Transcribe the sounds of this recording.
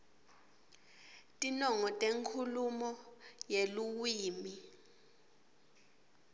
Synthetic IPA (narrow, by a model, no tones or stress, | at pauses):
tʼinɔŋɔtʼeŋkʰulumɔjeluwiːmi